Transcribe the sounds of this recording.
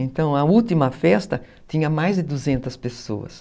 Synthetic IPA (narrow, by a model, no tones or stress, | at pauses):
ẽnt̪ɐ̃w̃ɐuwt̪imɐfɛst̪ɐ | t̪ĩɲɐmajzd̪ɪd̪uzẽnt̪ɐspeso̰ɐ̰s